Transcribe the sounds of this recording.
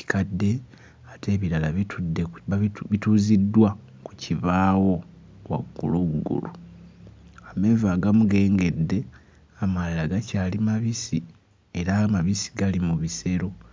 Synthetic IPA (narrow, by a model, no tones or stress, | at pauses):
ci̥kadːe̞ | atʰe̞ːβiɾalaβtʰudːeβituːzidːwa | ku̥ciβaːwo̞ | wa̰ɡṵloːɡuɡṵlṵ | ame̞ːvaːɡamuɡe̞ːŋɡe̞dːe̞ | amalːaɡacaːlimaβisi | e̞ɾamaβisi̥ɡalimuβise̞ɾo̞